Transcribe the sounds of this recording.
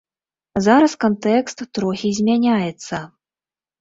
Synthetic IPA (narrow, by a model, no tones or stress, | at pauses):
zaɾɐskant̪ɛkst̪ːɾɔxʲizʲmʲanʲajɛt̪sːɐ